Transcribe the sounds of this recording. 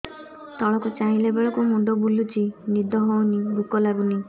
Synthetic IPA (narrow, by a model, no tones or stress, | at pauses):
t̪ɔɭɔkɔt͡ʃaɦĩlebeɭɔkumuɖɔbulut͡ʃinid̪ɔɦownibukɔlabuni